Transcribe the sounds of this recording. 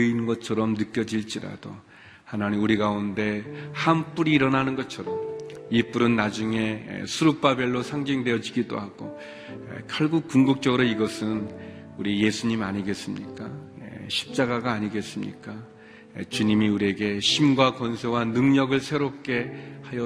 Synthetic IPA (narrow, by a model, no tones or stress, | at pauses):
inɡʌt͡ɕʰʌɾʌmnɯk͈jʌd͡ʑiɭt͡ɕ͈iɾa̰d̥o | hananiuɾiɡaunde̞hamp͈uɾiːɾʌnanɯnɡʌt͡ɕʰʌɾʌmip͈uɾɯnːad͡ʑuŋe̞̰sʰuɾup͈abeɭːosʰaŋd͡ʑiŋdwe̞jʌd͡ʑiɡido̰haɡo̰ | kʰaɭɡuk̚kuŋɡuk̚t͡ɕ͈ʌɡɯɾoiɡʌsʰɯn | uɾije̞sʰuɲimaɲiɡe̞s͈ɯmɲik͈aḛɕʰi̥p̚t͡ɕ͈aɡaɡaːɲiɡe̞s͈ɯmɲḭk͈a | t͡ɕuɲimiuɾie̞ɡe̞ɕʰimɡwakwʌnsʰe̞wanɯŋɲʌɡɯɭsʰe̞ɾop̚k͈e̞hajʌ